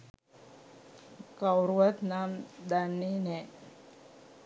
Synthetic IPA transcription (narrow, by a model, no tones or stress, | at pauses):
kawɾʋət̪namd̪anːine